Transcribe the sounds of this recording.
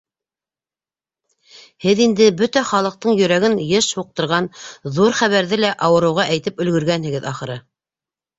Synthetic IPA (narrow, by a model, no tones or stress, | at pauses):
hɘðind̪ɘbɵt̪æχɑlˠɤ̆q̚t̪ɤɴjɵ̆ɾæɡɘnjɤʃhuq̚t̪ɤ̆ɾʁɑnðuɾχæβæɾðɘlæʔɑwɤ̆ɾɤ̆wʁɑʔæjt̪ɘpɵ̆lɡɵ̆ɾɡænhɘ̆ɡɘðɑχɤ̆ɾɤ